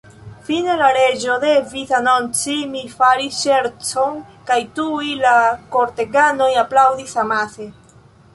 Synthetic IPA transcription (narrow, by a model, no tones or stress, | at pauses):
fine̞laɾe̞d͡ʒo̞de̞visano̞nt͡simifaɾisʃe̞ɾt͡so̞nkajtuujlako̞ɾte̞ɡano̞japlawdisamase̞